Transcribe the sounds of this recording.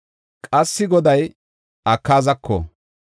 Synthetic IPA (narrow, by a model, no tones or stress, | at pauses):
kʼɐsːɪɡɔd̪ɐj | ʔɐkːaːzɐkʰːɔ̰